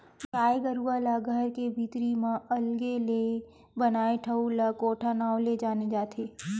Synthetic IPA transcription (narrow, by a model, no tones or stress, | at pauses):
ɾaːeɡəɾualaɡʱəɾkebʱiːt̪ɾimãɐlɡele | bənaːeʈʰəulakoːʈʰanaːoled͡ʒaːned͡ʒaːt̪ʰeː